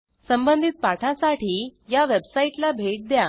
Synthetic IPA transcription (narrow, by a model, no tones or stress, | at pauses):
səmbənd̪ʱit̪̚paʈʰasaʈiːjaʋebsaiʈlabʱeʈ̚d̪ja